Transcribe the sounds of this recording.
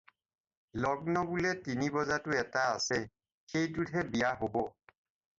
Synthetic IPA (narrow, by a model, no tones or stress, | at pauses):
lɔɡnɔbulɛtinibɔzatʊɛtaːsɛ | xejdudʱɛbijaɦobɔ